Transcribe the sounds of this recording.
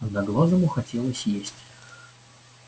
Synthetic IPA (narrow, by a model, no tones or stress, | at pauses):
d̪aɡlˠazəmʊxɐtʲelˠəsʲjesʲtʲ